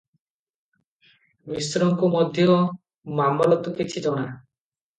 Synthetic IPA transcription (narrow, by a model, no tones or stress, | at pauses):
bisɾɔŋkumɔd̪ʱjɔ | mamɔlɔt̪ukit͡ʃʰid͡ʒɔɽ̃a